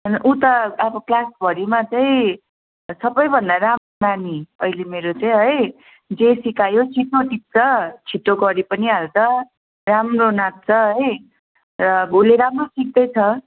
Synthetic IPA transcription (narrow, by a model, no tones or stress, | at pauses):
ʌnʔut̪ʌːbʌklasbʱʌɾimat͡sʌĩ | sʌbʌjbʱʌnd̪aɾamonaniʌilemeɾot͡sʌĩɦʌj | d͡zesikajot͡sʰit̪oʈik̚t͡sʰʌt͡sʰit̪oɡʌɾipʌniɦalt͡sʰʌ | ramronak̚t͡sʰʌɦʌj | rʌuleɾamrosik̚d̪ʌjt͡sʰʌ